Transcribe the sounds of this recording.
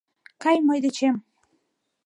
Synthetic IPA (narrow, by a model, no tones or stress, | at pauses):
kɑjmojd̪et͡ɕem